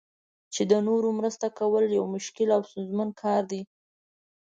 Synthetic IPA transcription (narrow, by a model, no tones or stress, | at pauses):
t͡ʃed̪ənoɾomɾəst̪akawəljawmʊʃkɪlawst̪unzmankʰɑɾd̪i